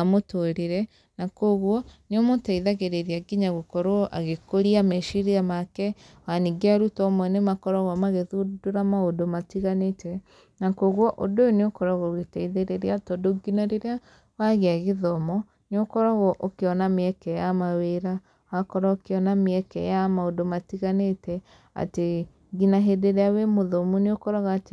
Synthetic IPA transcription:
amotoɾeɾɛ | nakoɣwɔneomotaiðaɣeɾeɾeaɡiɲaɣokɔɾoʔa̰ɣekoɾiamɛʃiɾiamakɛ | waniɡeaɾutɔmwɔnemakɔɾɔɣɔmaɣeðudoɾamaodomatiɣanetɛ | nakoɣwɔʔodooneokɔɾaɣɔɣetaiðeɾeɾeatɔdoɡinaɾeɾea | waɣeaɣeðɔmɔ | neokɔɾɔɣɔʔokeɔnameɛkɛjamaweɾa | wakɔɾaokeɔnameɛkɛ̰jamaodomatiɣanetɛ | a̰te | ɡinaɦedeɾɛawemoðɔmuneokɔɾɔɣaːte

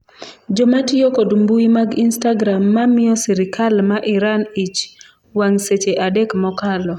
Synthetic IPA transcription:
d͡ʒɔmatɪjɔkodumbuimaɡinstaɡɾamːamɪjɔsiɾɪkʰalmaʔɪɾanit͡ʃ | waŋset͡ʃeʔadekmɔkalɔ

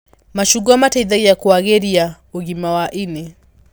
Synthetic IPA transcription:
maʃuɡamataiðaijakuaɣɛɾia | oɣimawaʔinɛ

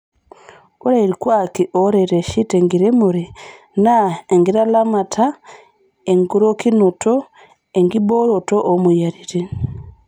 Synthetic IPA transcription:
oɾeɾikwakiʔoɾeɾeʃiteŋɡiɾemuɾi | naeŋɡiɾalamatʰa | eŋɡuɾokinuto | eŋɡibolotoʔːmujaɾiɾe

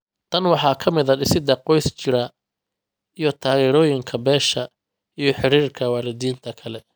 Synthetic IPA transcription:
t̪ʰɐnwɑħɑːkʰɐmɪðɐɖɪsɪd̪ɑqɔjst͡ʃɪɾɐ | ijɞt̪ʰaːɣɛːɾɔːjɪŋkʰɐbɛːʃɐ | ijɞħɪɾiːrkʰɐwɑːlɪd̪iːnt̪ʰɐkʰɐlɛ

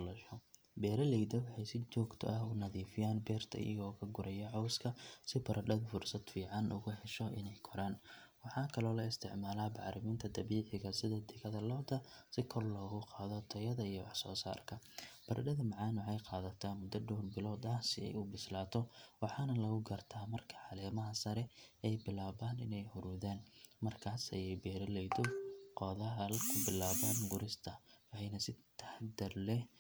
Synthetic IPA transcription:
lɐʃɔ | bɛːɾɐlɛjd̪ɐwɑħɑjsɪt͡ʃɔːɡt̪ʰɔ̰ʔɐhʊnɐðiːfɪjaːnbɛːrt̪ʰɐ̰ʔɪ̰jɐ̰ɣɔːkʰɐɡʊɾɐjɐʕɔwskʰɐsɪbɐɾʔɐɖɐd̪fʊrsɐd̪fiːʕɑnʔʊɣʊħɛʃɔɪnɛjkʰɔɾaːnwɑħɑːkʰɐlɔːlɐɪst̪ʰɪʕmaːlaːbɑʕɾɪmiːnt̪ʰɐd̪ʰɐβiːʕɪɣɐsɪðɐd̪ɪɣɐðɐlɐbd̪ɐsɪkʰɔrlɔːɣʊqɑːðɔt̪ʰɐjɐðɐijɔwɑħsɔːsa̰ːrkʰɐb̥ɐrɖɐðɐmɑʕɑːnwʊħɛjqɑːðɐt̪ʰaːmʊd̪ːɐɖɔːrbɪlɔːd̪ɐsɪɛ̰jubɪslaːt̪ʰɔwɑħɑːnɐlɐɣʊɡɐrt̪ʰaːmɐrkʰɐ̥ʕɑlɛːmɐɦɐsɐɾɛɛjbɪlaːβaːnɪnɛjhʊɾuːðaːnmɐrkʰaːsɐjɛjbɛːɾɐlɛjd̪ɔqɔːðɐɦɐlkʰʊbɪlaːβaːnɡʊɾɪst̪ʰɐwhɛjnɐsɪt̪ʰɐ̥ħd̪ɐrlɛ

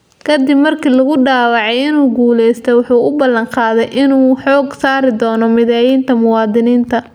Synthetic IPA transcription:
kʰɐd̪ɪbmɐrkʰiːlɐɣʊɖaːwɑʕɛjɪnuːɡuːlɛjst̪ʰɛjwʊħuːʔʊbɐlɐŋqɑːðɛjʔɪnuːħɔːɡsaːɾɪd̪ɔːnɔmɪðɛːjiːnt̪ʰɐmʊwɑːd̪ɪniːnt̪ʰɐ

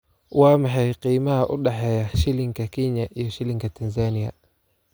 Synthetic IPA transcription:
wamaħɛiqimaʔuɗaħajaʃiliŋɡakiɲaʔijɔʃiliŋɡatanzania̰

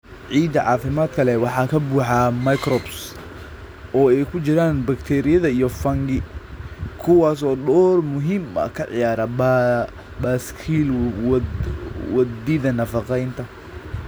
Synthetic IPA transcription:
ʕiːd̪ɐʕɑ̰ːfɪmaːd̪kʰɐlɛwɑħɑːkʰɐbuːħɑmɐjkrɔbs | ʔɔːɛjkʰʊt͡ʃɪɾaːnbɐkt̪ʰɛːɾɪjɐðɐijɔfɐŋɡɪ | kʰʊwɑːsɔːɗɔːrmʊɦiːmɐ̰kʰɐʕɪ̰jaːɾɐ | baːskʰil | wɐd̪iðɐnɐfɑqɛjnt̪ʰɐ

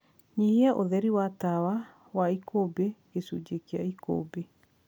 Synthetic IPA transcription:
ɲiheaʔoðɛɾiwatawa | waikobeɡesud͡ʒekea̰iko̰be

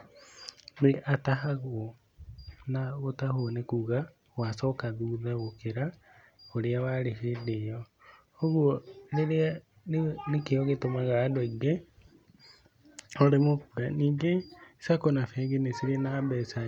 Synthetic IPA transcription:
meʔataɦaɣo | naɣotahonekuɣa | wasɔkaðuːðaɣokeɾa | oɾeawaɾeɦedejɔ | oɣwɔneɾea | nekeɔɣetomaɣaːdoiɡe | ɔɾemokuɾaniːŋɡesakonafɛːɡenesiɾenabɛsa

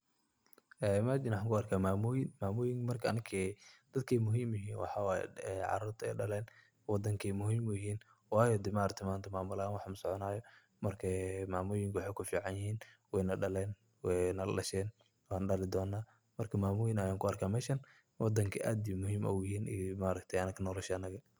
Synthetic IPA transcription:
ʔɛːmad͡ʒɪnwħaːŋkʰʊɐrkʰaːmaːmʊːjɪnmaːmʊːjɪŋkmɐrkʰɐɐnɪkʰɛd̪̥ɐd̪̚kʰɛjmʊɦiːmjɪɦiːnwɑ̰ħɑwɑːjɛ̰ɛʕɑ̰ɾuːrt̪ʰɛ̰ːɖɐlɛːn | wɑd̪ɐŋkʰɛjmʊɦiːmʊjɦiːn | wɑːjɔd̪ɪmaɾt̪ʰɪmaːnt̪ʰɐmaːmʊlanwɑħmʊsɔʕɔnaːjɔ | mɐrkʰɐmaːmʊjɪŋkʰɐwħɛjkʰʊfiːʕɑnjɪɦiːnwɛjnɐɖɐlɛːn | wɛnɐlɐʃɛːn | waːnɖɐlɪd̪ɔːnːaː | mɐrkʰɐmaːmʊːjɪnɐjaːŋkʰʊɐrkʰaːmɛːʃɐn | wʔɑd̪ɐŋkʰɐʔaːd̪imʊɦiːmʔɐ̰wjɪɦiːnʔimaːɾɐkt̪ʰɐjɐnɐɡkʰɐnɔːlɛʃɐɐnɐɣɐ

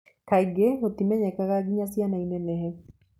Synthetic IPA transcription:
kaiɡeot̪imɛɲɛkakaɡɪɲasjanainenɛɦɛ

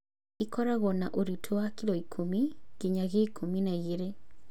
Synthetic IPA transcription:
ikɔɾaɣɔnaʔoɾitʰowakilɔikʰomiɣ̥eɲaɣeikʰominaiɣeɾe

